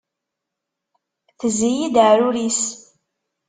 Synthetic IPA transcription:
θəzijid̪əʕɾuɾis

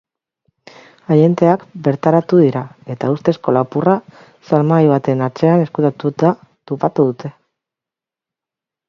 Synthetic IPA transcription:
aje̞nt̪e̞akbe̞ɾt̪aɾat̪uðiɾae̞t̪aust̪e̞sko̞lapura | salmaiβ̞at̪e̞nat͡se̞ane̞skut̪at̪ut̪a | t̪opat̪uðut̪e̞

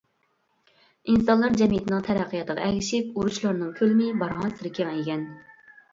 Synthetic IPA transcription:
insɑnlˠɑɾd͡ʒɛmijit̪ʰɪnɨŋt̪ʰɛɾæqʰːijɑt̪əʁɑ̰ɛɡʲɪʃɪpuɾuʃlˠɑɾnɨŋkʲʰølmɪbɑɾʁɑnsɪɾɪkʲʰemɛjɡʲɛn

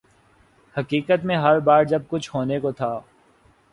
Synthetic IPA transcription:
hɐkiːkət̪mẽɦɐɾbaːɾd͡ʒɐb̚kʊt͡ʃʰɦoːnekot̪ʰaː

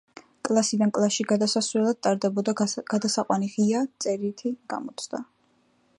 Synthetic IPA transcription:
kʼlˠasid̪ankʼlˠaʃiɡad̪asasvɾɛlˠad̪̥̚t̪ʼaɾd̪ɛbɔd̪aɡ̥ad̪asaqʼwaniʁiat̪sʼɛɾit̪ʰiɡ̥a̰mɔt̪sʰd̪a

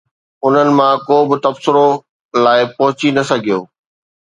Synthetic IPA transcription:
ʊn̤ənɪ̆mãkoːbɪt̪ɐbsɪɾo | laːɪpɐɦʊt͡ɕinɐsɐɡʱijoː

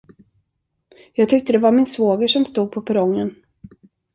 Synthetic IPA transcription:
jɑːɡ̚t̪ʰʏk̚t̪əd̪ɛvaɾmɪnsvoːɡəʂɔmst̪uːɡ̚pʰɔpʰɛɾɔŋːən

